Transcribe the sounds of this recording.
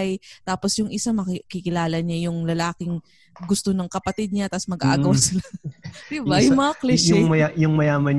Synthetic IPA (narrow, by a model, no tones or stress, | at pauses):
jtt̪aːposjʊŋʔɪsamɐkkɪkɪlaːlɐɲajʊŋlɐlaːkɪŋ | ɡʊst̪onɐŋkɐpɐt̪id̪̚ɲat̪ɐsmɐɡaʔa̰ɐwasɪlad̪̥ɪbajʊmɐɐklɛjʊmɐjajʊŋmɐjaːmɐn